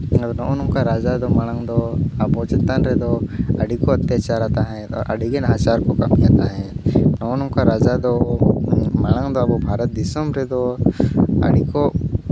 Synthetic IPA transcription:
d̪nɔʔɔnɔŋkaɾad͡ʒad̪ɔmaɽ̃aŋd̪ɔɐbɔt͡ʃɛt̪ənɾɛd̪ɔəɖikɔət̪jat͡ʃaɾat̪aɦɛ̃ɔ̰ɾʔə̰ɖiɡɛnɦat͡ʃaɾkɔkamijat̪aɦɛ̃nɔɔnɔ̃ŋkaɾad͡ʒad̪ɔ | maɽ̃aŋd̪ɔɐbɔbʱaɾət̪̚d̪isɔmɾɛd̪ɔ | ə̰ɽikɔ

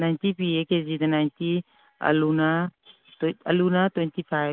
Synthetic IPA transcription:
najnt̪ipieked͡ʒid̪ɐnajnt̪i | ɐ̰luna | ɐ̰lunat̪wɛnt̪ipʰaj

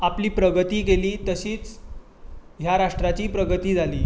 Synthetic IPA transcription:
apliːpɾəɡət̪iːɡeliːt̪əɕiːt͡s | ɦjaɾaʂʈɾat͡ɕiːpɾəɡət̪iːd͡zʱaliː

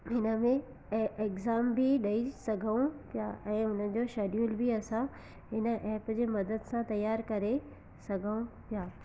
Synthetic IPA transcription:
ɦɪnə̆mẽ | eːkzaːmbʱiɗɐisɐɡʱəũpijaːɛ̃ːʊnəd͡ʑoːʃeːɖijuːlbʱiɐsã | ɦɪnə̆ʔɛːpd͡ʑeːmɐd̪əd̪sãt̪ɐjːaːɾkɐɾe | sɐɡʱəũpijaː

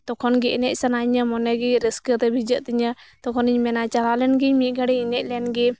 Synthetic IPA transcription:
t̪ɔkʰɔnɡɛʔnɛc̚ˀsanaɲəmɔnɛɡiɾiskət̪ɛbʱid͡ʒəʔt̪iɲət̪ɔkʰɔniɲmɛnat͡ʃalalɛnɡiɲmiʔ̚ɡaɽɛinɛc̚ˀlɛnɡɛ

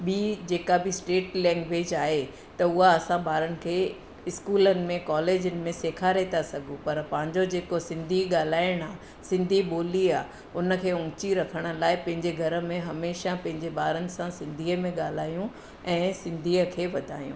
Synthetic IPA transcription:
ɓid͡ʑeːkabʱɪsʈeːʈlɛ̃ːŋɡʋeːd͡ʑaːɦe | t̪ɐʊɦaɐsãbaːɾənɪ̆kʰeː | ɪskuːlənɪ̆mẽkaːleːd͡ʑənɪ̆mẽseːkʰaɾet̪ʰasɐɡʱũpɐɾpɐ̃ɦɪ̃ɲd͡ʑod͡ʑeːkosɪ̃nd̪ʱiɠaːl̤aːɪɽ̃aː | sɪ̃nd̪ʱiɓoːliaː | ʊnə̆kʰeːʊ̃ːt͡ɕiɾɐkʰəɽ̃ə̆laːɪpɐ̃ɦɪ̃ɲd͡ʑeɡʱɐɾə̆mẽɦɐmeːʃapɐ̃ɦɪ̃ɲd͡ʑeɓaːɾənɪ̆sãsɪ̃nd̪ʱiːəmẽɠaːl̤aːjũ | ɛ̃ːsɪ̃nd̪ʱiːəkʰeːʋɐd̪ʱaːjṵ̃ː

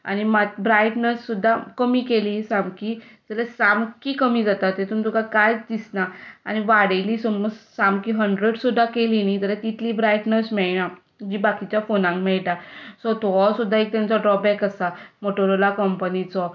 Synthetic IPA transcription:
a̰ɽ̃imat̪bɾajʈnəsːud̪ʱːakəmiːkeliːsamkid͡zəlasamkikəmiːd͡zat̪at̪ːet̪unt̪ukakajd̪isnaa̰ñiʋaɽeliːsɔməsamkiɦəɳɖɾeɽsud̪ʱːakelinit̪əɾat̪it̪ʰliːbɾajʈnəsmɛɭna | d͡ʑiːbakit͡ɕjafonãŋkmɛɭʈasɔt̪sud̪ʱːaek̚t̪jãnt͡sɔɖɾɔbɛkasamoʈoɾolakəmpənit͡sɔ

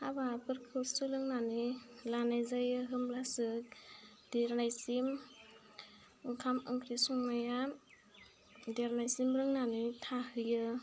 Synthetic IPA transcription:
abapɯɾkʰɯsɯlɯŋnanilanajzajɯɦɯmlasɯk̚ | diɾnajsim | ɯŋkʰamɯŋkʰɾisuŋmaja | deɾnajsimɾɯŋnanitʰahɯjɯ

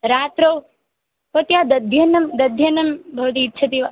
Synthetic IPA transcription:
ɾaːt̪ɾow | pɐt̪jad̪ɐd̪ʱjɐnɐmd̪ɐd̪ʱjɐnɐmbʱɐʋt̪iːtːt͡ʃʰɐt̪iʋa

